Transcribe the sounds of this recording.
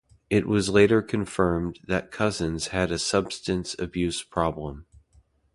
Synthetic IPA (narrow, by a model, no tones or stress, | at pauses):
ɪʔ̚wʔʌzleɪɾə˞kʰɨ̃ɱfɜ̃˞mðɨt̚kʰʌzɨ̃nz̥ɨɾɨsʌb̥stɨ̃nsɨ̰bjʉspʰɹ̥ɑblə̃m